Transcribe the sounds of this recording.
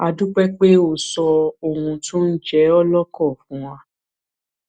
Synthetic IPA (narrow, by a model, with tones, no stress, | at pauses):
a˧du˦k͡pɛ˦k͡pe˦o˦˨sɔ˧o˨hũ˧tũ˦n̩˦d͡ʒɛ˦ɔ˦lɔ˦kɔ˦˨fũ˨˦w̃ã˧